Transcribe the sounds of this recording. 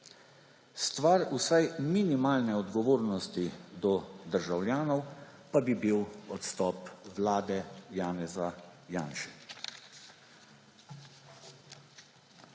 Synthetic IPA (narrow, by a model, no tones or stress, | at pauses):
st̪ʋaɾusajminimaːlnɛɔd̪ɡɔʋoːɾnɔst̪id̪ɔd̪əɾʒawlʲjaːnɔwpabibiwɔt̪st̪ɔːpwlaːd̪ɛjaːnɛzajaːnʃɛ̥